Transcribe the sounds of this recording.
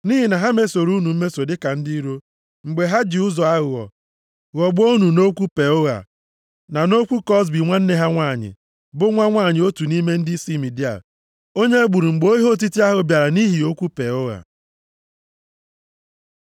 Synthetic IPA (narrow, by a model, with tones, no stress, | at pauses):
ni˦ɦi˨na˨ɦa˦me˦so˨ɾu˦nu˨m̩˦me˦so˨dɪ˦ka˨n̩˦di˦i˦ɾo˦ | ŋ͡m̩˨ɡ͡be˨ɦa˦d͡ʒi˨ʊ˦zɔ˨a˦ɣʊ˨ɔ̰˨ | ɣɔ˨ɡ͡bo˦nu˨no˦kʷu˦pe˨o˦ɣa̰˨ | na˨no˦kʷu˦kɔ˦s̬bi˨ŋʷa˦n̩˦ne˦ɦa˦ŋʷaː˦˨ɲɪ̰˨ | bʊ˦ŋʷa˦ŋʷa˦˨ɲɪ˨o˦tu˨ni˦me˦n̩˦dɪ˦si˦mi˨di˦a̰˨ | o˦ɲe˦e˦ɡ͡bu˨ɾu˨ŋ͡m̩˨ɡ͡bo˦i˦ɦo˦t̬i˦ti˦a˦ɦʊ˨bja˨ɾa˨ni˦ɦi˨o˦kʷu˦pe˨o˦ɣa̰˨